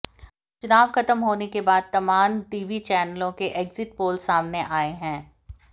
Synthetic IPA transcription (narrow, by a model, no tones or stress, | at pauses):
t͡ʃʊnaːʋxɐt̪əmɦoːnekebaːd̪̚t̪ɐmaːmʈiːʋit͡ʃɛːnəlõkeʔeːkzɪʈpoːlsaːmneʔaːeɦɛ̃ː